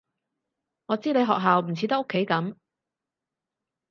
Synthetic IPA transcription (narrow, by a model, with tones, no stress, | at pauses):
ŋɔː˨˧t͡siː˥ne˨˧jɦɔː˨k̚ɦaː˨wm̩˨˩t͡sʰiː˨˧t̪ɐ˥k̚ːkʰːe˨˥jkɐ˨˥m